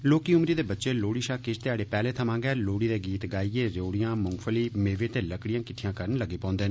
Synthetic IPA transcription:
loːkiːʊmɾiːd̪eːbətːʃeːloːɽiːʃaːkɪst̪ɪaːɽeːpɛːleːt̪ʰəmãːɡɛːloːɽiːd̪eːɡiːt̪ɡaːieːɾoːɽijãːmʊŋɡfʰəliːmeːʋeːt̪eːləkɽijãːkɪʈʰijãːkəɾənləɡeːpɔ̃ːnd̪eːn

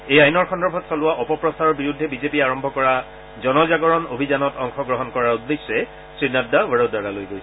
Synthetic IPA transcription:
ejajnɔɹxɔndɹɔbʱɔtsɔlʊwaʔɔpɔpɹɔsaɹɔɹbiɹudʱːɛbizepiaɹɔmbʱɔkɔɹa | zɔnɔzaɡɔɹɔnobʱizanɔtɔŋxɔɡɹɔɦɔnkɔɹaɹudːesːɛ | sɹinadːawəɹodaɹalojɡojsɛ

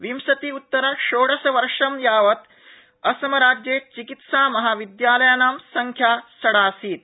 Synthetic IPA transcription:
ʋimsɐt̪iːut̪ːɐɾaʃoːɽɐsɐʋɐɾʂɐmjaːʋɐt̪ | ɐsɐmɐɾaːd͡ʒjeːt͡ʃikit̪saːmɐɦaːʋid̪jaːlɐjɐnaːmsɐŋkʰjaːsɐɽaːsiːt̪̚

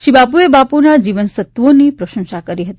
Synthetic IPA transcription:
ʃibapuebapunad͡ʒiʋənsət̪ʋonipɾəʃə̃ŋʃakəɾiɦət̪i

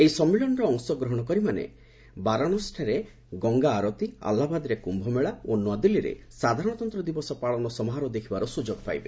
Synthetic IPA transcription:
ejsɔmːilɔnɔɾɔːŋsɔɡɾɔɦɔɽ̃ɔkɔɾimanḛ | baɾaɽ̃ɔsʈʰaɾe | ɡɔŋɡaːɾɔt̪ia̰lːabad̪iɾekumbʱɔmeɭaonwad̪ilːiɾḛsad̪ʱaɾɔɽ̃ɔt̪ɔnt̪ɾɔd̪ibɔsɔpaɭɔnɔsɔmɔɦaɾɔd̪ekʰibaɾɔsud͡ʒoɡɔpa̰jbḛ

